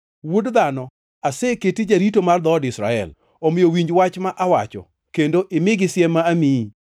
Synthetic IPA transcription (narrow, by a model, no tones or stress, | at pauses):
wodd̪anɔ | asɛketid͡ʒaɾitomard̪ɔdɪsɾa̰ɛ̰l | omɪjowiɲd͡ʒwat͡ʃmaʔawat͡ʃɔ̰ | kendoʔɪmɪɡɪsjɛmːaːmi